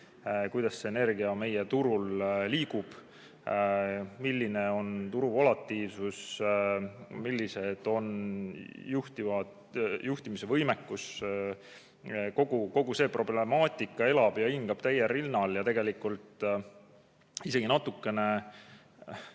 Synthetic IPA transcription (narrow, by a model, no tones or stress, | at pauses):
kujd̪ɑsːeːne̞rɡ̥iɑme̞je̞t̪uɾulliːɡub̥ | milːine̞o̞nt̪uɾuvolɑt̪ːiːvsus | milːise̞d̪̥o̞n | juht̪ivɑd̪ | jʔuht̪imise̞vɤjmekːus | ko̞ɡ̥uko̞ɡ̥use̞ːpro̞blemɑːt̪ʲˑikːˑɑe̞lɑb̥jɑiŋɡɑb̥t̪æjerilnɑljɑt̪e̞ɡ̥e̞likult̪ˑ | ise̞ɡ̥inɑt̪ːukːˑe̞ne̞